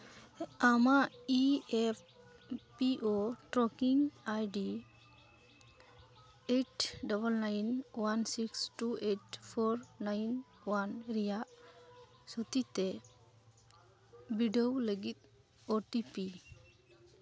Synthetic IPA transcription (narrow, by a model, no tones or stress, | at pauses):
amaiep | piʔoʈɾɔkiŋajɖi | eʈdɔbəlnajnwansiksʈueʈpʰɔɾnajn | wanɾijaʔ | sɔt̪it̪ɛ | biɖɔwləɡit̪̚ | ɔʈipi